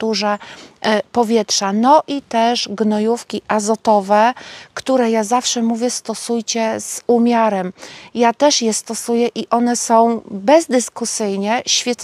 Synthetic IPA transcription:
t̪uʐɛ | pɔvʲjɛtʂanɔʔit̪ɛʐɡnɔjufkʲiʔazɔt̪ɔvɛkt̪uɾɛjazafʂɛmuvʲjɛst̪ɔsujt͡ɕɛz̥umʲjaɾɛmjat̪ɛʂjɛst̪ɔsujɛʔiʔɔnɛsɔ̃w̃bɛzd̪ɘskusɘjɲɛɕfʲjɛt̪

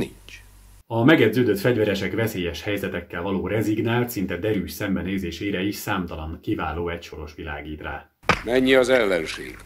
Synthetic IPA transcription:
nḭnt͡ʃ | ɒmɛɡɛd̪zøːd̪ø̞t̪fɛɟvɛɾɛʃɛkvɛseːjɛʃhɛjzɛt̪ɛkːɛlvɒloːɾɛziɡnaːlt̪sint̪ɛd̪ɛɾyːʃsɛmbɛneːzeːʃeːɾɛiʃsaːmt̪ɒlɒŋkivaːloːɛcʃo̞ɾo̞ʃʋilaːɡiːt̪raː | mɛɲːiɒzɛlːɛnʃḛːɡ̥

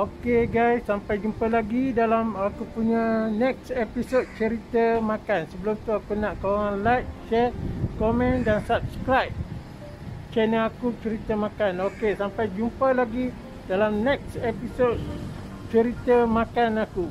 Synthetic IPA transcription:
okeɡajsːampajd͡ʒumpəlaɡidalamakupuɲanɛk̚sepisod̚t͡ʃəɾit̪əmãkansəbəlʊmt̪uakunaʔkoaŋanlajk̚ʃɛkomɛ̃ndansap̚sə̥kɾajp̚ | t͡ʃɛnəakut͡ʃəɾit̪əmakanokesampajd͡ʒumpəlaɡi | dalamnɛk̚sepisod̚ | t͡ʃəɾit̪əmakanaku

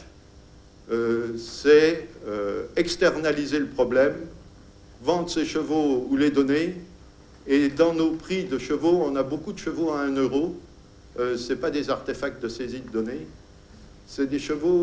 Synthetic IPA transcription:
øsɛøɛkst̪ɛʁnalizeləpχɔblɛm | vɑ̃d̪ʁseʃəvouled̪ɔne | ed̪ɑ̃nopχid̪əʃəvoɔ̃nabokud̪əʃəvoaɛ̃nøʁo | øsɛpad̪ezaʁt̪efak̚t̪̚d̪əsezid̪əd̪ɔne | sɛd̪eʃəvo

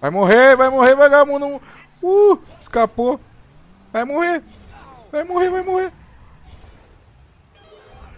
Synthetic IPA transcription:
vajmoɦevajmoɦevajɡamũd̪ʊ̃ | u | skapo | vajmohe | vajmoɦevajmohe

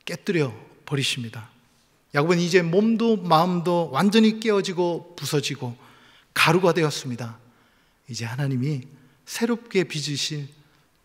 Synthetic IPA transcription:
k͈e̞t͈ɯɾjʌ | pʌɾiɕʰimɲida | jaɡobɯnid͡ʑe̞momdomaɯmdowand͡ʑʌɲik͈e̞ʌd͡ʑiɡopusʰʌd͡ʑiɡo | kaɾuɡadwe̞jʌs͈ɯmɲida | id͡ʑe̞hanaɲimi | sʰe̞ɾop̚k͈e̞pid͡ʑɯɕʰi

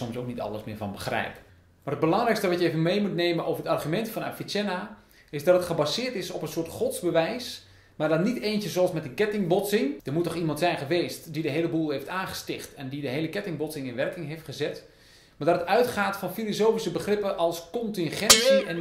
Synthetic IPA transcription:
ɔmsowk̚nitɑ̰ləsmɪːəɹvɑ̰nbəxrɛ̰jp | marɦəd̚bəlɑŋɾɛjkstəʋɑtjəevənmejmutneːmənʔo̰wvərətɑrχymɛntfɑna̰fitɛna | ɪsdɑtətχəbazɪːɹtɪsɔpənsʊːtχɔtzbəʋɛjs | maɹdɔtniteːnsəsoɑlˠsmɛtənkɛtɪŋbɔtsɪŋdərmutɔχimɑntsɛjnχəʋeːstdidəɦejləbulˠɦejftaːnχə̥stɪxtɛndidəɦeːləkɛtɪŋbɔtsɪŋɪnʋɛrkɪŋɦejftχəzɛt | maɹdɑtətœɥtχaːtfɑnfilosoːfisəbəχrɪpəʔɔlˠskɔntɪnχɛnsiɛn

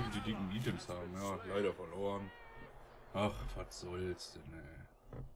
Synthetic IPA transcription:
tədiːdɪkŋ̩iːtʰɛmshaːbm̩ahatlaɪɾɐfɛɐloːən | ʔaχv̥atz̥ɔlstɛnɛ

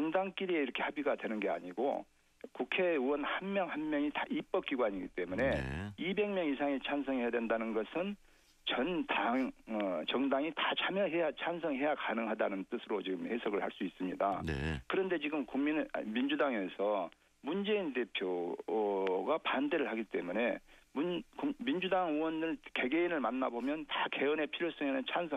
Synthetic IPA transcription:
t͡ɕuŋdaŋk͈iɾieiɾʌkʰe̞habiɡadwe̞nɯnɡe̞a̰ɲiɡo̰ | kukʰe̞uwʌnhanmjʌŋhanmjʌŋitaip͈ʌk͈̚iɡwaɲiɡit͈e̞mune̞ibe̞ŋmjʌŋisʰaŋit͡ɕʰansʰʌŋɦe̞jadwe̞ndanɯnɡʌsʰɯn | t͡ɕʌnda | t͡ɕʌŋdaŋitat͡ɕʰamjʌɦejat͡ɕʰansʰʌŋɦe̞jakanɯŋɦadanɯnt͈ɯsʰɯɾot͡ɕiɡɯmhe̞sʰʌɡɯɭha̰ɭs͈uis͈ɯmɲida̰n̰kɯɾʌnde̞t͡ɕiɡɯmkuŋminmind͡ʑudaŋe̞sʰʌ | mund͡ʑe̞inde̞pʰjo | ɡapande̞ɾɯɭɦaɡit͈e̞mune̞mukumind͡ʑudaŋuwʌndɯɭke̞ɡe̞inɯɭmanːabomjʌntake̞ʌne̞pʰiɾjos͈ʌŋenɯnt͡ɕʰansʰʌ

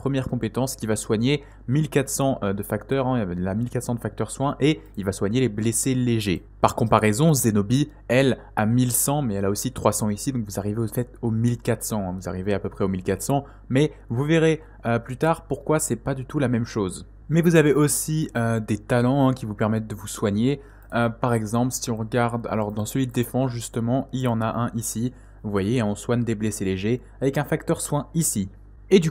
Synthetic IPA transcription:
pχəmjɛʁkɔ̃pet̪ɑ̃skʲivaswaɲe | milkat̪sɑ̃ʔød̪əfakt̪œʁɛ̃lamilkat̪sɑ̃d̪əfak̚t̪œʁswɛ̃ʔeilvaswaɲelebleseleʒe | paʁkɔ̃paʁɛzɔ̃zenobi | ɛl | amilsɑ̃mɛɛlaosit̪χwasɑ̃isid̪ɔ̃kvuzaʁiveofɛt̪omilkat̪χsɑ̃ɛ̃vuza̰ʁiveapøpχɛomilkat̪sɑ̃ | mɛ | vuveʁe | øplyt̪aʁpuʁkwasɛpad̪yt̪ulamɛmʃoz | mɛvuzaveʔosiød̪et̪alɑ̃ɛ̃kʲivupɛʁmɛt̪̚d̪əvuswaɲe | øpaʁɛɡzɑ̃plsiɔ̃ʁəɡaʁd̪a̰lɔʁd̪ɑ̃səlɥid̪d̪efɑ̃ʒyst̪əmɑ̃iljɑ̃naʔɛ̃ʔisi | vuvwajẽɔ̃swaɲd̪ebleseleʒe | avɛkɛ̃fak̚t̪œʁswɛ̃isi | ed̪y

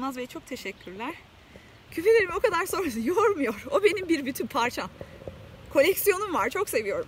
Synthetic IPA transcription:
mazvɛt͡ʃʰo̞k̚t̪ʰe̞ʃɛcʰːyɾlʲæɾ̥ | cʰyfylʲe̞ɾimo̞kad̪aɾso̞nɾas̬ɯjoɾmujo̞ɾo̞be̞nimbiɾbyt̪ʰynpʰaɾt͡ʃʰa | kʰo̞lʲɛcsijo̞numvaɾt͡ʃʰo̞kse̞vijo̞ɾum

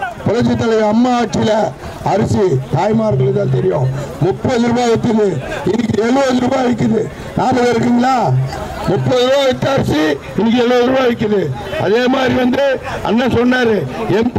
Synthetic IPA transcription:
pʊlɐt͡ʃːɪt̪ːɐlɐʋɐmːaːʈ̚t͡ʃːɪɪlɐ | ɐɾɪsit̪aːjmaːɾkɐɭɯt̪ːaːnt̪ɛɾɪjõmʊpːɐðɯɾɯbaːʋɪt̪ːɐðɯɪnːɪkːɯɛɭoːðɯɾubaːʋɪk̬ːɐðɯ | naːmɐʋɐɾɯkːiŋɡɐɭaː | mʊpːɐðɯɾɯbaːɪt̪ːɐɾɪsi | ɪnːɪk̬ːɛɭʋoːðɯɾɯbaːʋɪk̬ːɐðɯɐ̰ðeːmaːd̪ɾiʋɐnd̪ɯɐ̰nːasɔnːaːɾɯɛnp

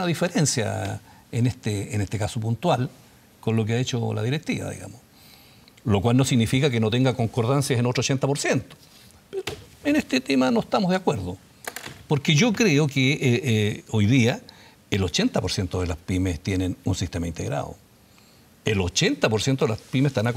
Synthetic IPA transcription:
naðifeɾe̞nsja̰ | enest̪eːnest̪ekasopunt̪wal | konlok̬eaet͡ʃola̰ðiɾek̚t̪iβa̰ðḭɣa̰mos | lokwalnosiɣnifikak̬eno̞t̪eŋɡako̞ŋkoɾðansjasenotɾot͡ʃent̪apoɾsjent̪o̥ | peɾoeneht̪et̪emanoeht̪amozðeakweɾðo | poɾkeʝokɾeoke | ojðia | elo̞t͡ʃe̞nt̪apo̞ɾsje̞nt̪oðelaspimest̪jenenunsist̪emaint̪eɣɾa̰ðo̰ | elot͡ʃent̪apoɾsjent̪oðelaspimest̪ana

